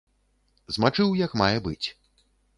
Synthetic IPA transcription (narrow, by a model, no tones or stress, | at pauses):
zmat͡ʂɨwjɐkmajɛbɨt͡sʲ